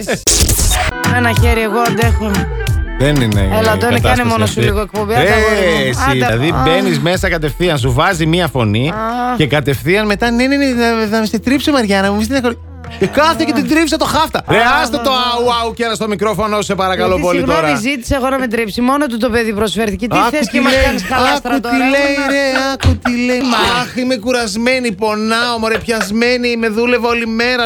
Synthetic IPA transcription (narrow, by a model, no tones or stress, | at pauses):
mɐnɐçeɾieɣoɐnd̪exome | ðenḭnḛelɐd̪onek̪ɐnemo̞nosuliɣoek̚pombeeɐslɐ̰ðibe̞nizme̞sɐkɐt̪e̞fθiɐns̬uvɐzimiɐfo̞nice̞kɐt̪e̞fθiɐnme̞t̪ɐneneneðɐmeset̪ɾipsomɐɾʝɐnɐmumizst̪eneko | kɐθecet̪id̪ɾipsɐt̪o̞xɐft̪ɐɾeɐst̪et̪oɐuɐucenɐst̪o̞mikɾo̞fo̞nosu̥se̞pɐɾɐkɐlo̞po̞lit̪oɾɐzit̪i̥sɐeɣonɐmed̪ɾipsimo̞not̪̬ut̪o̞peðipɾosfeɾθicet̪iɐt̪mɐnskɐuttilejɾeɐkut̪ile̞jɐximekuɾɐzme̞nipo̞nɐomoɾepçɐzme̞nime̞ðule̞vo̞lime̞ɾɐ